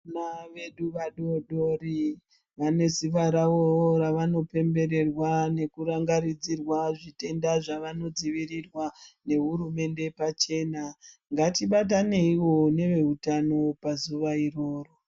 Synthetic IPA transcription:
naʋe̞ɗuʋaɗo̞ɗori | ʋane̞ziʋaɾaworaʋano̞pe̞mbe̞ɾe̞rwane̞kuɾaŋɡaɾid͡zirwaʐite̞ndaʐaʋano̞d͡ziʋirirwane̞ɦuɾume̞nde̞pat͡ʃe̞ːnaŋɡatiɓat̬ane̞iwo̞ne̞ʋe̞utano̞pazuʋairo̞ːro

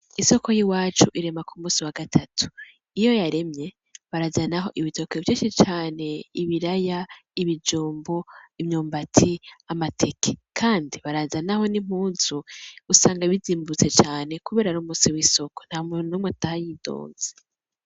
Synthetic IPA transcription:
iso̞ko̞jiwaːt͡ʃuʔiɾe̞makʰumuːsiwaɡatʰatʰu̥ | ijo̞jaɾe̞mɲe̞ | βaɾazanaɦo̞ʔiβito̞kevjiːʃit͡ʃaːne̞iβiɾajaiβid͡ʒuːmboimɲuːmbatʰiamatʰekʰe̥kʰaːndiβaɾazanaho̞nim̥uːnzuusaːŋɡaβiziːmbut͡se̞t͡ʃaːne̞kuβe̞ːɾaɾuːmuːsiwiso̞kon̥hamunomatahajiːdo̰ːz̥e

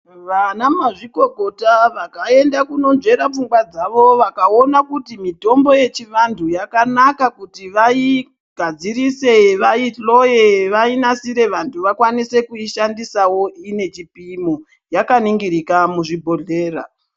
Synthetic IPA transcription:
ʋanamaʐiko̞kotaʋakae̞ndakuno̞nd͡ʒe̞ɾap͡fuŋɡwad͡zaʋo̞ʋakaonakutimito̞mbo̞je̞t͡ʃiʋantʰujakanakakutiʋai | ɡ̥ʱad͡ziɾise̞ʋaiɬo̞jeʋainasiɾe̞ʋantʰuʋakwanise̞kuiʃandisawo̞ine̞t͡ʃipimo | jakaniŋɡiɾikamuʐibʱo̞ɮe̞ːɾa̰

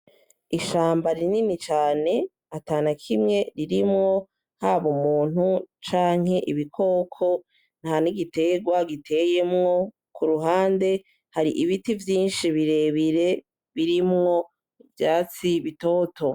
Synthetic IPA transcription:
iʃaːmbaɾininit͡ʃaːne̞ | ataːnakʰimŋe̞ɾiɾimŋo̞ | haβomuːn̥hut͡ʃaːŋ̥he̞ʔiβikʰo̞ːkʰo̞ | n̥haniɡite̞ɡwaɡitʰe̞je̞mŋo̞ | kuɾuɦaːnde̞ | haɾiʔiβitivjiːnʃiβiɾe̞ːβiɾe̞ | βiɾimŋo̞ | ivjaːt͡siβito̞ːtʰo̞

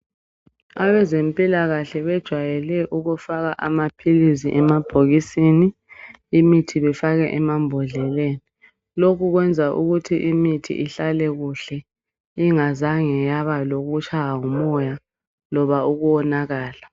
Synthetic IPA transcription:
aβɛzempʼilaɣaɬɛβɛd̥ʒ̥ʱwajɛlɛʔuɣufaɣaʔamapʰiliziʔɛmab̥ʱoɣisiːniː | mitʰiβɛfaɣɛʔɛmambʱɔɮɛleni | lokʰuɣwɛnd͡zʱaʔṵɣutʰiʔimitʰḭʔiɬalɛɣuɬɛ | iŋazaŋɛjaβaloɣut͡ʃʰʼajaŋumɔja | lɔβauɣuwɔnaɣaːla

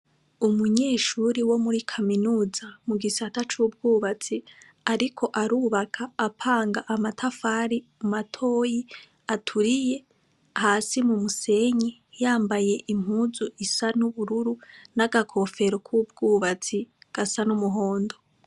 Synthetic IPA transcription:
umuɲeːʃuɾiwo̞muɾikʰaminuːzamuɡisatat͡ʃuːb̚ɡuːβat͡si | aɾikʰo̞ʔaɾuːβakʰaːpʰaːŋɡaʔamatʰafaːɾimumatʰo̞ːji | atʰuɾije̞ | haːsimumuse̞ɲijaːmbaje̞ʔim̥huːzuʔisanuβuɾuɾunaɡakʰo̞fe̞ɾokʰub̚ɡuːβat͡siɡ̥asanumuɦo̞ːndo

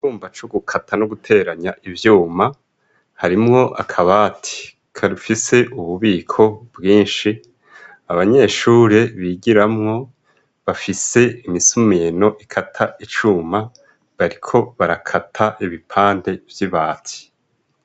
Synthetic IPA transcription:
t͡ʃuːmbat͡ʃoɡukʰatʰanoɡutʰe̞ːɾaɲaʔivjuːma | haɾimŋo̞ʔa̰kʰaβatʰi̥ | kʰaɾufise̞ʔuβuβiːkʰo̞bɡiːnʃi | aβaɲe̞ːʃuːɾe̞βiːɟiɾamŋo̞ | βafise̞imisumino̞ʔikʰatʰaʔit͡ʃuːma | βaɾikʰo̞βaɾakʰatʰaʔiβipʰaːnde̞vjiβaːtʰi̥

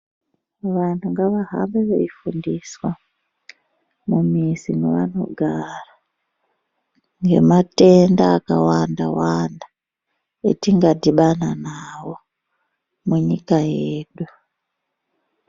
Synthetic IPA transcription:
ʋantʰuŋɡaʋaɦa̰mbeʋeifundiswa | mumisineʋano̞̰ɡʱara | ŋɡe̞̰mate̞ndaːkawandawanda | etiŋɡadiɓananawo̞ | muɲikajeːɗu

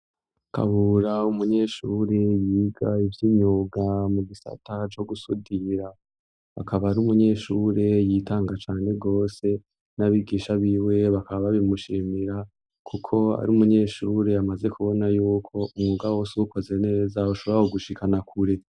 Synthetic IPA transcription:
ka̰βuɾaumuɲe̞ːʃuːɾe̞jiːɡaivjiːɲuɡamuɡisa̰tʰat͡ʃo̞ɡusudiɾa | a̰kaβaːɾumuɲe̞ːʃuɾe̞jitaːŋɡat͡ʃaːne̞ɡo̞ːse̞ | naβiɡiːʃaβiwe̞βakaββaβimuʃiːmiɾa | kʰukʰo̞a̰ɾiumuɲe̞ːʃuɾe̞amaze̞kʰuβo̞najuːkʰo̞umŋuɡawoːsuuko̞ze̞ne̞ːzauʃoβɾahoɡuʃikʰanakʰuɾe

